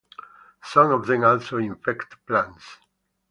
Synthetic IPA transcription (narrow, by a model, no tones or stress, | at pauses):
sɔ̃mɔvðɛ̃mɔlsoĩɱfɛkt̪plãns